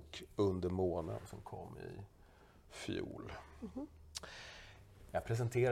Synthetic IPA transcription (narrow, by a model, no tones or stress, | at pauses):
kɵnd̪əɾmoːnə̰nsɔmkʰɔ̰mːɪ̰ | fjṵːl | jɑpʰɾɛs̬ənt̪ʰeːɾ